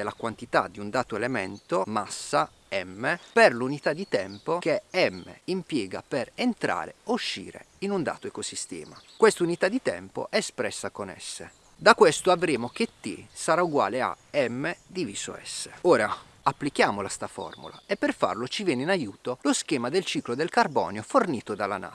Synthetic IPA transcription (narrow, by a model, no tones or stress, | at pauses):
elakwant̪it̪a̰d̪iund̪aːt̪oelemɛ̰nt̪omasːa | ɛmːeperlunit̪ad̪ːit̪ɛmpokeɛmːḛimpjɛːɡa̰perent̪ɾa̰ːɾḛuʃːḭːɾḛ | inund̪a̰ːt̪oekosist̪ɛ̰ːmakwest̪unit̪ad̪it̪ɛ̰mpo̰ʔɛspɾɛsːakonɛ̰sːḛ | d̪akːwest̪oavɾeːmok̟et̪ːḭsaɾauɡwa̰ːlea̰ | ɛmːed̪iviːso̰ɛ̰sːeoːɾa | apːlik̟jaːmolast̪afɔ̰rmṵla̰epːerfa̰rlot͡ʃivjɛːneinajuːt̪olosk̟ɛːmad̪elt͡ʃiːklod̪elkarbɔ̰ːnjoforniːt̪od̪ala̰na̰